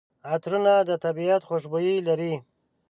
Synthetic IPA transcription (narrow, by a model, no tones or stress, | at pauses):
at̪ɾunad̪ət̪abiat̪xoʃbojilaɾi